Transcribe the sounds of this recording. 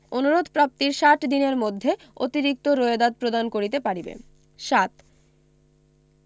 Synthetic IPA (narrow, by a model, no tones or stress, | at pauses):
onuɾod̪ʱpɾap̚t̪iɾʃaʈd̪ineɾmod̪ʱːe | ot̪iɾik̚t̪oɾoed̪ad̪̚pɾod̪ankoɾit̪̬epaɽibḛ | ʃat̪